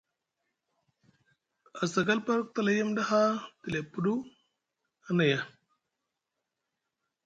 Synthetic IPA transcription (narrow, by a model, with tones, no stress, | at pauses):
a˨sa˨ɡa˦lpa˦ɾk̚ta˦˨la˦ja˦mda˦ɦa˦ti˨le˨pːu˦du˦ | a˨˦na˨ja˨